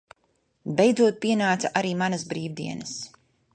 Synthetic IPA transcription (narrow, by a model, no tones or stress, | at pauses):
bɛjd̪zuɔt̪̚piɛnaːt̪saʔaɾiːmanɐsbɾiːvd̪iɛnɐs